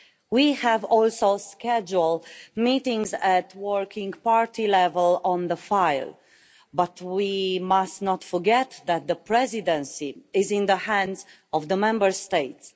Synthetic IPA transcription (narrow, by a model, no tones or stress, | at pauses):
wihævɔlsoʊskɛd͡ʒulmitɪ̃ŋɡzætwɜɹkʰɪ̃ŋɡpaɹt̪ilɛvəlɔ̃nðəfaɪlˠ | bʌt̪ʰwimastnɔt̪fə˞ɡɛt̪ðæt̪̚ðəpʰɹɛzidə̃nsiɪzɪ̃nðəhæ̃ndz | ɔvðəmɛ̃mbə˞steɪts